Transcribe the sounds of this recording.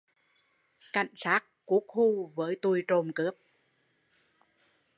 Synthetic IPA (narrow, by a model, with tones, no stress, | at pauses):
ka̰˧˨jŋ̟saː˦˥k̚ːu˦˥ək̚xu˧vəː˨˦jt̪u˧jt͡ɕo˨˧˩mkɨ˦˥əp̚